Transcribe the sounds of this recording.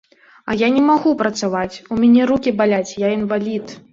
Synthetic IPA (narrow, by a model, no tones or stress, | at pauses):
ɐ̰janʲɛmaɣupɾɐt̪savat͡sʲumʲanʲɛɾukʲibalʲat͡sʲjainvalʲit̪